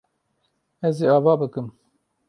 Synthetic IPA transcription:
ɛziːɑːvaːbɨkɨm

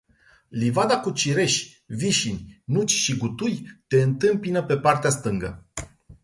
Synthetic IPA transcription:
livad̪akut͡ʃiɾe̞ʃ | viʃinʲnut͡ʃʲʃiɡut̪ujt̪e̞ɨnt̪ɨmpinəpe̞part̪east̪ɨŋɡə

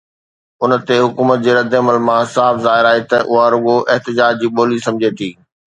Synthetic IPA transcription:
ʊnt̪eɦʊkuːmət̪̚d͡ʑeːɾɐd̪eɐməlmãsaːfzaːɪɾaːɦet̪ɐʔʊɦaɾʊɡoʔɪɦt̪ɪd͡ʑaːd͡ʑd͡ʑiːɓoːlisɐ̃md͡ʑʱet̪ʰiː

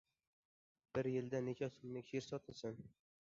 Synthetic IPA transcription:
b̥ɪɾjɪld̪anekʲʰɒsʊmnɪkʲʰeɾsɒt̪ʰɪsan

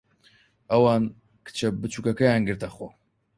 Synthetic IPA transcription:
ɐwɑːn | kʰɨ̥t͡ʃʰɐbɨt͡ʃʰuːkɐkɐjaːnɡɨɾt̪ɐχo

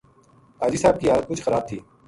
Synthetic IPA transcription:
t̪aːd͡ʒiːsaːb̚kiːaːɾkʊt͡ʃʰxəɾaːb̚t̪ʰiː

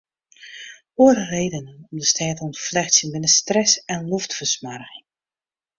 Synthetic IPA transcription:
oərəreːdənənɔmdəstɛːtɔnəflɛxtsjənbɪnəstrɛsɛnlɔftfərsmarɣɪŋ

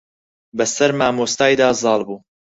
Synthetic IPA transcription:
bɐsɐɾmaːmoːst̪aːjd̪aːzɑːlˠbuː

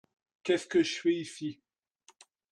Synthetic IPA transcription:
kʲɛskəʒɥɛisi

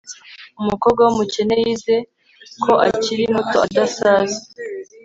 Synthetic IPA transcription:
umuko̞ːb̚ɡwawumuce̞ne̞jize̞ | kʰo̞ʔaciɾimutoadasaːzi

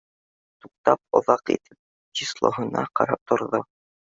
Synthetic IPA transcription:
t̪uq̚t̪ɑp̚ŏðɑqḭt̪ʰɘp̚ | d͡ʑislˠo̰ɦɤ̆nɑ̰qɑ̰ɾɑp̚t̪ŏɾðo

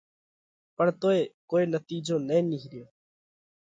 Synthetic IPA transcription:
pəɳt̪oːeːkoːeːnət̪iːd͡ʒõːnɛ̃ːniɦɾɪjoː

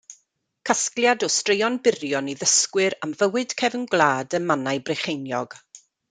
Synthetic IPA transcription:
kʰasklˠjadɔstrejɔnbɪrjɔniðəskwɨɾamvəwɨd̥kʰɛvnɡlˠaːdəmanajbreχejnjɔɡ̥

